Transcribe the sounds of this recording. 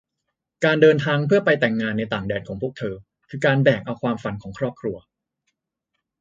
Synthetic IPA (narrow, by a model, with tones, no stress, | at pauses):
kaː˧ndɤː˧nt̪ʰaː˧ŋpʰɯ˥˩ɐpa˧jt̪ɛ˨˩ŋːaː˧nːa˧jt̪aː˨˩ŋdɛː˧nkʰɔː˩˦pʰu˥˩k̚t̪ʰɤː˧ | kʰɯː˧kaː˧nbɛː˨˩k̚ʔa˧wkʰwaː˧mfa˧nkʰɔː˩˦ŋkʰɾɔː˥˩p̚kʰɾu˧ɐ